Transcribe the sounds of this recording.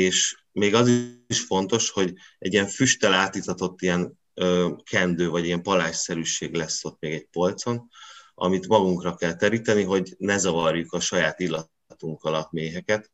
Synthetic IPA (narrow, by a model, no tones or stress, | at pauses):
eːʃ | meːɡɒziʃfo̞nt̪o̞ʃho̞ɟɛ̰ɟijɛɱfyʃt̪ɛlaːt̪iːt̪ɒt̪o̞t̪ːijɛn | øːkʰɛnd̪øːvɒɟijɛmpɒlaːʃsɛɾyʃeːɡlɛsːo̞t̪ːmeːɡɛɟ̚po̞lt̪so̞nɒ̰mit̪mɒɡuŋkrɒkɛlt̪ɛɾiːt̪ɛniɦo̞ɟnɛzɒvɒrjukɒʃɒjaːt̪ilːɒ | t̪uŋkɒlɒmeːɦɛkɛt̪